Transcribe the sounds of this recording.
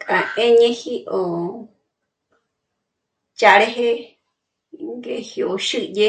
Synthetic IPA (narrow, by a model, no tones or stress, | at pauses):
kʼaẽɲẽhiʔo | t͡ʃaɾeɦe | ŋɡehioʃɨje